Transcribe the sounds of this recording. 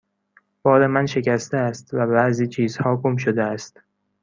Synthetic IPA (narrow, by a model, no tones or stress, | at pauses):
b̥ɒːɾe̞mænʃe̞cæst̪eæst̪væbæʔziːt͡ʃʰiːzhɒːɡomʃ̬od̪eæst̪